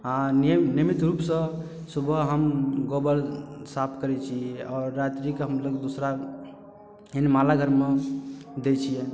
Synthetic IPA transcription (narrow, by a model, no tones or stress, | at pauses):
aninimit̪ɾupsə̃ | subʱəɦəmɡobəlsapʰkəɾɛt͡ʃʰiɔɾːat̪ɾikɦəmləɡd̪osɾa | enmalaɡʱəɾmed̪et͡ʃʰijɛ